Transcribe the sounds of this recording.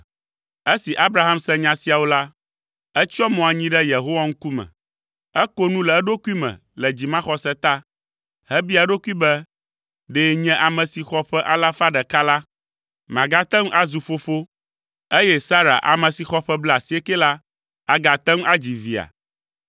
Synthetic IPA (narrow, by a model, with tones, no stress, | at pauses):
e˦si˨ʔa˦bɾa˨ɦa˦msɛ̃˦ɲã˨si˦a˨wo˦la˦ | ɛ˦t͡ʃɔ˦mɔ̃˨a˨ɲĩ˦ɖɛ˦je˨ɦo˦wa˦ŋ̩˦ku˦mɛ̰̃˨ | ɛ˦ko˦nũ˦lɛ˨ɛ˦ɖo˦ku˦i˦mɛ̰̃˨ | lɛ˨d͡ʑi˨mã˦xɔ˦sɛ˦t̪a˦ | hɛ˦bi˦a˨ɖo˦ku˦i˦bɛ˦ | ɖeː˦ɲɛ̃˦ʔa˨mɛ̃˨si˨xɔ˦ɸɛ˦ʔa˦la˦fa˦ɖɛ˨ka˦la˦ | mã˨ɡa˦t̪ɛ˦ŋ˦ʔa˦zu˨fo˦fo˦ | e˦jɛ˦sa˦ɾa̰˨ʔa̰˨mɛ̃˨si˨xɔ˦ɸɛ˦blɛ˦˨a˨si˨e˦kɛ˦la˦ | a˨ɡa˨t̪ɛ˦ŋ˦a˦d͡ʑi˨vi˨a̰˨